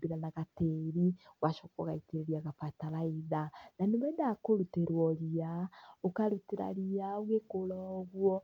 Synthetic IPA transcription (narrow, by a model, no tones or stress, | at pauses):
biɾanaɣateɾiwaʃokɔɣaiteɾeɾiaɣapataɾaiðananimwɛndakoɾuteɾwɔɾiaokaɾuteɾa̰ɾiaoɣekolɔɣwɔ